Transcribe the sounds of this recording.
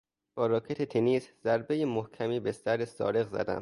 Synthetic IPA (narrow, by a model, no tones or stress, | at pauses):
b̥ɒːɾɒːkʰe̞t̪ʰet̪ʰeniːszæɾbe̞jemohcʰæmiːbe̞st̪æɾesɒ̰ːɾe̞ɣzæ̰d̪æ̰m